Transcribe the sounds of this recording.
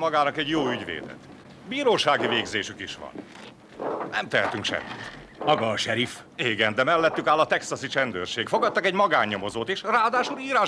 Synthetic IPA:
mɒɡaːnɒkɛɟjoːyɟvḛːd̪ɛ̰t̪ | biːɾoːʃaːɡiveːɡzeːʃykiʃʋɒ̰n | nɛmt̪ɛɦɛt̪yŋkʃɛ̰mːḭt̪ | mɒɡɒːʃɛɾif | eːɡɛnd̪ɛmɛlːɛt̪ːykaːlːɒt̪ɛksɒsit͡ʃɛnd̪ø̰ːrʃeːkfoɡɒt̪ːɒkɛɟmɒɡaːɲːomo̞zoːt̪iʃraːd̪aːʃuliːɾaː

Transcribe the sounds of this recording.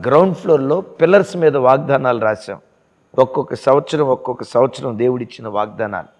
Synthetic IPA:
ɡɾɐwɳɖpʰloːɾlo̞ːpilɐɾsmiːd̪ɐʋaːɡ̚d̪aːnaːluɾaːsa̰ːm | ɔkːɔkːɐsɐʋɐt̪sɐɾɐmɔkːɔkːɐsɐʋɐt̪sɐɾɐmd̪e̞ːwuɽit͡ʃːinɐʋaːɡ̚d̪aːna̰ːlu

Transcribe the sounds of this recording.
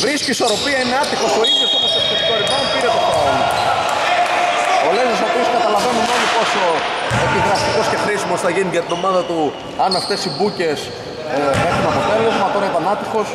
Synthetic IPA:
vɾisciːso̞ɾo̞piɐineɐt̪ixo̞so̞iðjosomɐst̪ost̪ost̪oɾimonopiɾet̪osoolo | olezosopiskɐt̪ɐlɐve̞numomipo̞so̞otiɣɾɐst̪iko̞sce̞xɾisimosθɐʝiniʝɐt̪ino̞mɐðɐt̪u | ɐnɐft̪e̞sibuce̞s | e̞xunɐpo̞t̪e̞lo̞zmɐt̪o̞ɾɐit̪ɐnɐt̪ixo̞s

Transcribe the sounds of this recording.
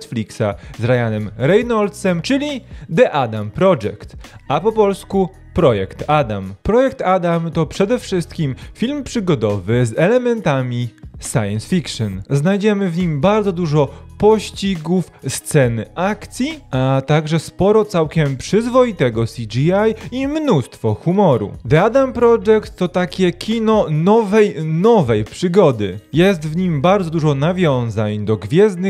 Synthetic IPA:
t̪flʲiksazɾajanɛmɾɛjnɔld̪sɛmt͡ʂɘlʲid̪ɛʔad̪ampɾɔʐɛ̰kt̪apɔpɔlsku | pɾɔjɛkt̪ad̪a̰mpɾɔjɛkt̪ad̪amt̪ɔpʂɛd̪ɛfʂɘst̪kʲimfʲilmpʂɘɡɔd̪ɔvɘzɛlɛmɛnt̪amʲisa̰jɛnsfʲikʂɔnznajd͡ʑɛmɘvɲimbaɾd̪zɔd̪uʐɔpɔɕt͡ɕiɡufst̪sɛnʔakt̪sʲjiat̪aɡʐɛspɔɾɔt̪sawkʲɛmpʂɘzvɔjit̪ɛɡɔsʲid͡ʒiajimnust̪fɔxumɔɾṵd̪ɛad̪ampɾɔd͡ʐɛkt̪ːɔt̪akʲɛkʲʰinɔnɔvɛjnɔvɛjpʂɘɡɔd̪ɘ̰jɛst̪vɲimbaɾdzɔd̪uʐɔnavʲjɔ̃w̃zaɲd̪ɔɡvʲjɛzd̪nɘ

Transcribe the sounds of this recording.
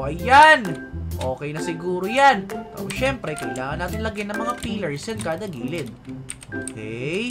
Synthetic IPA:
ʔɐjanʔo̞ːkɛjnɐsɪɡuːɾojankɐ̰mʊʃɛmpɾɛkɐʔɪlaːŋɐnːaːt̪ɪnlɐɡajnɐŋmɐŋapiːlɛɹsɛnkaːd̪ɐɡiːlɪd̪̚ʔʔʔo̰ːkʰɛj

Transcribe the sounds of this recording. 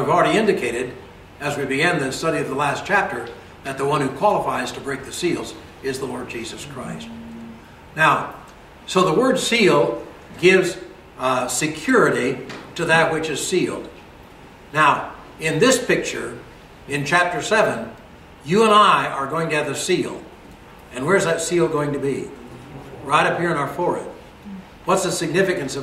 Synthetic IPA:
vl̩ˠɹɛɾiɪ̃ndɨkʰeɪɾɨɾ | ɨzwibɨɡæ̃nðɨstʌɾiʌvðəlæs̚t͡ʃʰæp̚tə˞ | ðɨt̪̚ðəwʌ̃nhʉkʰw̥ɑlˠəfaɪz̥tʰəbɹeɪk̚ðɨsilˠz | ɪzðəlɔɹd̚d͡ʒizɨskʰɹ̥aɪst̚ | naʊ | soʊðəwɜ˞dsilˠ | ɡɪvz | sɨkʰj̥ʊɹɨɾiɾɨðɨt̚wɨt͡ʃɨz̥silˠd̚ | naʊ | ɪ̃nðɪspʰɪk̚t͡ʃə̰˞ | ɪ̃nt͡ʃʰæp̚tə˞sɛvɨ̃n | jɨə̃naɪʔə˞ɡoʊɪ̃ŋtɨɨvðɨsilˠ | ɨ̃nwə˞ɨzðɨtsilˠɡoʊɪ̃ŋtɨbi | ɹaɪɾʌphiɹɨ̃ñaʊə˞fɔɹɨ̰t̚ | wʌtsðəsɨɡ̚nɪfɨkɨ̃nsʌ

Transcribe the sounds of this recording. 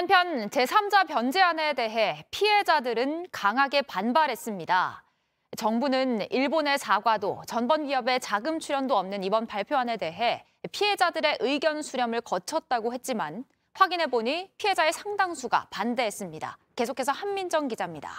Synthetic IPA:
hanpʰjʌnt͡ɕe̞sʰamd͡ʑapjʌnd͡ʑe̞ane̞de̞ɦe̞pʰiɦe̞d͡ʑadɯɾɯnkaŋɦaɡe̞panbaɾɦe̞s͈ɯmɲida̰ | t͡ɕʌŋbunɯniɭbone̞saɡwadot͡ɕʌnbʌnɥiɦʌbe̞t͡ɕaɡɯmt͡ɕʰuɾjʌndoʌmnɯnibʌnpaɭpʰjoɦane̞de̞ɦe̞ | pʰie̞d͡ʑadɯɾe̞ʔɯiɡjʌnsʰuɾjʌmɯɭkʌt͡ɕʰʌt̚t͈aɡohe̞t̚t͡ɕ͈iman | ɸwaɡinɦe̞boɲipʰiɦe̞d͡ʑae̞sʰaŋdaŋsʰuɡa̰pande̞es͈ɯmɲida̰ke̞sʰokʰe̞s̬ʰʌhammind͡ʑʌŋɡid͡ʑamɲida̰

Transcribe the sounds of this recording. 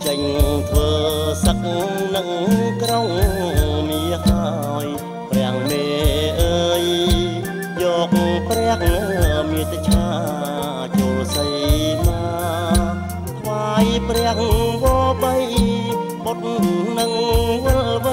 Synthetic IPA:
t͡ɕəɲt̪ʰʋəːsək̚nɨŋkroŋ | niəha | ʊj | prɛ̆əŋmeːʔəːj | jɔːk̚prɛ̆əŋmiət̪t͡ɕʰaː | t͡ɕoːsəjmaː | t̪ʰʋaːjprɛ̆əŋʋɔːɓəj | ɓot̪̚nnɨŋʋəlɓə

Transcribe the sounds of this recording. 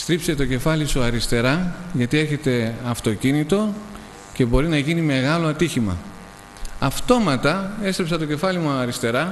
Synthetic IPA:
st̪ɾipse̞t̪o̞ce̞fɐlisuɐɾist̪e̞ɾɐʝɐt̪ie̞ɾçe̞t̪e̞ɐft̪ocinit̪o̞ | ce̞bo̞ɾinɐʝinime̞ɣɐlo̞ɐt̪içimɐ̰ | ɐft̪o̞mɐt̪ɐe̞st̪ɾepsɐt̪o̞ce̞fɐlimuɐɾist̪e̞ɾɐ

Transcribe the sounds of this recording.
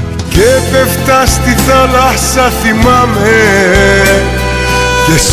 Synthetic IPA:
ket̪eft̪ast̪it̪alahsaθimamɦe | kes

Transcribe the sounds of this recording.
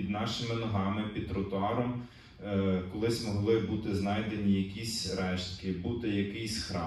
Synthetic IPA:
pʲid̪nɑʃɪmɪnɔɦɑmɪpʲid̪ɾɔt̪ʊɑɾɔm | kɔlˠɪsʲmɔɦlˠɪbut̪ɪznɑjd̪enʲijɐkʲisʲɾɛʃt̪kɪbut̪ɪjɐkɪjsʲxɾɑ

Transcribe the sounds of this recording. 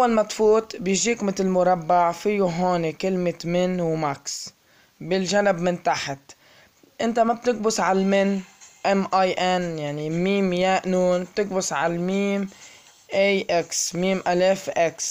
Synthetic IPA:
ʔawːalmat̪fuːt̪ˤbjɪʒiːkmɪt̪lmʊɾˤɑbːaʕfijuɦoːnekɪlmɪtmɪnwmaks | bɪlʒanɪbmɪnt̪aħɪt̪ | ʔɪnt̪amab̚t̪ɪk̚bʊsʕalmɪnʔɛmʔajʔɛnjaʕnimiːmjaʔnuːnb̚t̪ɪk̚bʊsʕalmiːm | ʔejʔɪksmiːmʔaleːfʔɪks

